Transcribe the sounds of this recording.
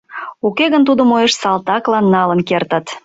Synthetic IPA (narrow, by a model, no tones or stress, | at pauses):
ukeɣənt̪ud̪əmojeʃsɑlt̪ɑklɑnːɑlənkert̪ət̪